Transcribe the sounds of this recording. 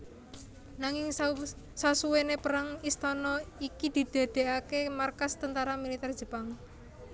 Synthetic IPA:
naŋɪŋ | sasuwenepəɾaŋist̪ɔnɔikid̪̥i̤d̪̥a̤d̪̥e̤ʔakemarkast̪ənt̪aɾamilit̪ɛr̥ʒ̥ə̤paŋ

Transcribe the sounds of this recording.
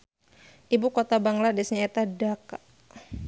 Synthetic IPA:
ʔibukɔt̪abaŋladɛsɲaɛt̪adaka

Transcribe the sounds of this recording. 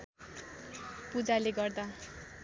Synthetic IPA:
pud͡zaleɡʌrd̪a

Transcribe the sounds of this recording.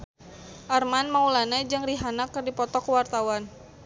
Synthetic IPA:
ʔarmanmaulanad͡ʒɨŋriɦanakərdipɔt̪ɔkwart̪awan

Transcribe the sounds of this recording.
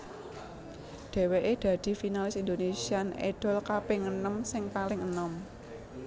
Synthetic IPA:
ɖ̪̥e̤weʔed̪̥ä̤d̪̥i̤finalɪsind̪onesianḛɖ̥ɔ̤lkapeŋənəmsɪŋpalɪŋənɔm

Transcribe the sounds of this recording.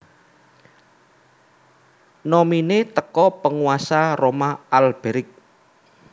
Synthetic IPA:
nominet̪əkɔpəŋuasaromaalb̥e̤ɾɪk̚

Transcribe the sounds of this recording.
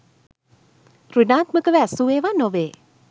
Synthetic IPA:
runak̚məkəwɛsuwewanowe

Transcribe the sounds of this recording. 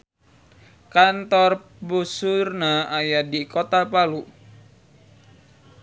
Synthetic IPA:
kant̪ɔr | busurnaajadikɔt̪apalu

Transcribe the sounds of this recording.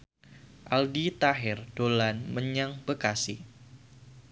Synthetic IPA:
ʔaldit̪aɦɪrd̥olanməɲaŋb̥əkasi

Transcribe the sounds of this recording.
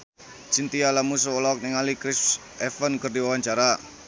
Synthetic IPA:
t͡ʃint̪ialamus̬uolɔɔk̚niŋalikɾɪs | ɛfənkərdiwawaɲt͡ʃaɾa

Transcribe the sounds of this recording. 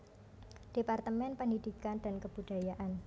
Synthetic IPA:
d̥epart̪əmɛnpəndidikandankəb̥ud̥ajaʔan

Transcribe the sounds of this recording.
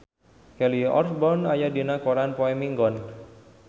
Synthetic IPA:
kɛliɔ̰rfbɔnajadinakoɾanpɔɛmiŋɡɔn

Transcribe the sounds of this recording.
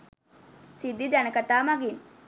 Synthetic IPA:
sid̪id͡ʒanɐkɐt̪ːaːmaɡin

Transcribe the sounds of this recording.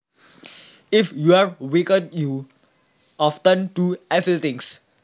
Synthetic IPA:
ifjuaɹwikədju | ɔftə̃nduafilt̪ĩŋs

